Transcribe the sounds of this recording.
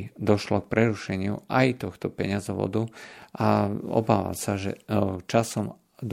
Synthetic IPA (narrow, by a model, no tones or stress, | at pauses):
d̪ɔʃlɔk̚pɾɛɾuʃɛɲɪṵʔajt̪ɔxt̪ɔpɛɲɪazɔʋɔ̰d̪uʔaɔ̰baːʋa̰msaʒɛ̰t͡ʃasɔm | d̪